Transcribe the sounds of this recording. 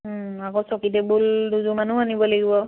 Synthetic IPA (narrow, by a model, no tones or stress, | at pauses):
akɔ̃sɔkitɛbulduzumanuanibɔlaɡibɔ